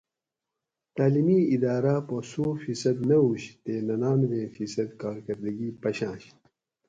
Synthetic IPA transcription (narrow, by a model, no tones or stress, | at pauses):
t̪aːlimiid̪aːɾaposuːfisɐd̪nɐuɕt̪eːnɐnaːnvẽːfisɐd̪kaːɾkɐɾd̪ɐɡiːpɐɕãːɕ